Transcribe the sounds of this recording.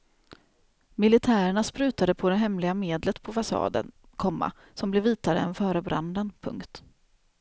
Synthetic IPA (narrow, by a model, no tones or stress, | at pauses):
mɪlɪt̪ʰæːɾəɳaspɾʉ̟ːt̪ad̪əpʰɔd̪ɛɦɛmlɪɡameːd̪lət̪pʰɔfasɑ̰ːd̪ə̰n | kʰɔmːa̰ | sɔmblɛviːt̪aɾə̰ɛnfœːɾəbɾa̰nd̪ənpʰɵ̰ŋkt̪